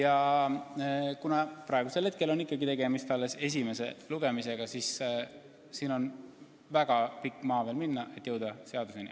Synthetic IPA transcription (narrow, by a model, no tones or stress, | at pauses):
jɑ | kunɑpɾɑˑe̞ɡ̥use̞lhe̞t̪̚ke̞lonːikːˑɑɡit̪e̞ɡe̞mist̪ɑlːe̞se̞s̬ʲime̞se̞̰luɡ̥e̞mise̞ɡ̥ɑsis | siːno̞n | væɡ̥ɑpikːˑmɑːveːlminːɑʔe̞t̪ˑːjɤwd̪̥ɑse̞ɑd̪̥usenḭ